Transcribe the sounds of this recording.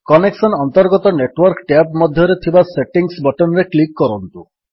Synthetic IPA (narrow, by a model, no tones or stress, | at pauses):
kɔneksɔnɔnt̪ɔɾɡɔt̪ɔneʈwɔɾkʈapmɔd̪ʱjɔɾet̪ʰibaseʈiŋsbɔʈɔnɾeklikːɔɾɔnt̪u